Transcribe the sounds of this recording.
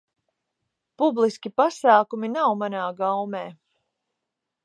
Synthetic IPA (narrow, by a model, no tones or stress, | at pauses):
publˠiskʲipasaːkuminawmanaːɡawmeː